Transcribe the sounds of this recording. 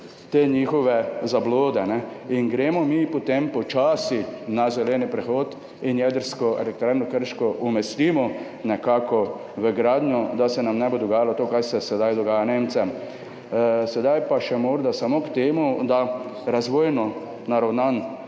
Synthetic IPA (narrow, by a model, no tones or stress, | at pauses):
t̪eːɲiːxɔʋɛzabloːd̪ɛnɛinɡɾeːmɔmipot̪empɔt͡ʃaːsinazɛlɛːnipɾɛxoːt̪ | injɛd̪əɾskɔɛ̰lɛk̚t̪ɾaːɾnɔkəɾʃkɔʔumɛst̪iːmɔ | nɛkaːkɔ | ʋəɡɾaːd̪njɔd̪asɛnamnɛbod̪ɔɡaːjalɔt̪oːkaɾsɛsɛd̪ajd̪ɔɡaːjaneːmt̪sɛm | sɛd̪ajpaʃɛmoːɾd̪asamokt̪eːmud̪aɾazʋoːjnɔ | naɾawnan